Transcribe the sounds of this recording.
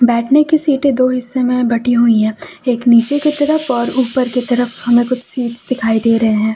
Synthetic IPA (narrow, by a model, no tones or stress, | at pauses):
bɛːʈʰnekesiːʈed̪oːɦɪsːemẽbɐʈʰiɦuiɦɛ̃ː | eːkniːt͡ʃeket̪ɐɾəfɔːɾuːpəɾket̪ɐɾəfhɐmẽkʊt͡ʃʰsiːpsd̪ɪkʰaːid̪eːɾɐɦeɦɛ̃ː